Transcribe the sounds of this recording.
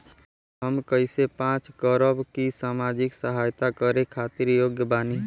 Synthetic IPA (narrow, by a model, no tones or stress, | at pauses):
ɦəmkəɪsepãt͡ʃɡəɾəbkisaːmad͡ʒɪksəɦajt̪akəɾekʰat̪iɾjoɡjəbaːni